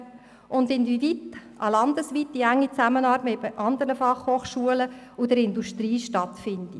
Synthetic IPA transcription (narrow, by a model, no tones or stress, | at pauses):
ʔʊndɪndivitʔɑ̰lɑnd̪əsʋit̪ːiæŋːit͡sæmənɑːɾmɪtʔɑnd̪əɾnəfɑχhoːχʃuələ | ʊd̥əɾɪnduʃtɾiːʃtɑt̪fɪnd̥i